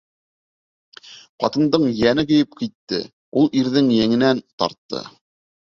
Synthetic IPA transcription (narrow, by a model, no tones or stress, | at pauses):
qɑt̪ɤ̆nd̪ɤɴjænɘkɵ̆jɘp̚kit̪ːɘ̰ | ulˠiɾðɘŋjæŋɘ̆nænt̪ɑ̰ɾt̪ːɤ̰